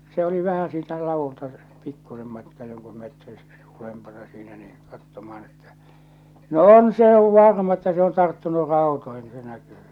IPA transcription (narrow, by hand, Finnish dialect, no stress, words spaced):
se oli ʋæhæ siːtæ lɑʋultɑ pikːusem mɑtkɑː joŋku metri ulempɑnɑ siːnæ niː kɑtːomɑɑn etːæ̥ no on se oʋ ʋɑrmɑ etːæ se on tɑrtːunu rɑˑo̝toihin k̆ŭ se nækyː